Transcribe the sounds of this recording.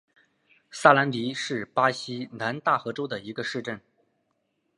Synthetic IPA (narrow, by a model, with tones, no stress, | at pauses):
sa˥la˧˥nli˧˥ʂɻ̩˥˩pa˥ɕi˥na˧˥nt̪a˥˩xɤ˧˥ʈ͡ʂo˥ʊd̪ə˨i˧˥ɡə˧ʂɻ̩˥˧ʈ͡ʂə˥˩n